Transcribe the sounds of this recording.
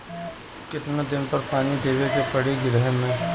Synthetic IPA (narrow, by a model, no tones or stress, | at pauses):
kɪt̪nad̪ɪnpɐɾpaːniɖʱeːʋekepɐɽeɡɪɾəɦɛmẽ